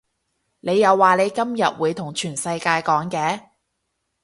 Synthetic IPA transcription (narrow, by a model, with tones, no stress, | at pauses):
ne˨˧jːɐ˨˧wːaː˨˩le˨˧jkɐ˥mjɐ̰˨t̚wuː˨˧jt̪ʰʊ˨˩ŋt͡ʃʰyː˨˩nsɐ˧jkaː˧jkɔː˨˥ŋkɛː˨˥